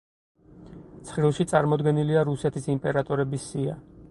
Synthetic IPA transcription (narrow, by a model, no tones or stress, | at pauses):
t̪sʰχɾilˠʃit̪sʼaɾmɔd̪ɡɛniliaɾusɛt̪ʰisimpʼɛɾat̪ʼɔɾɛbisːia